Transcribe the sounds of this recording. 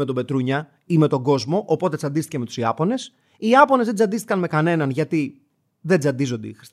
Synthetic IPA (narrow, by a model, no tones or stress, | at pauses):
et̪obe̞t̪ɾuɲɐ | ime̞t̪o̞ɡo̞zmo̞ʔopo̞t̪̬e̞d͡zɐnd̪ist̪içeme̞t̪u̥siɐ̰po̞ne̞s | iɐpo̞ne̞zðed͡zɐnd̪ist̪i̥kɐnme̞kɐne̞nɐnʝɐt̪i | ðe̞d͡zɐnd̪izo̞nd̪ḛixɾis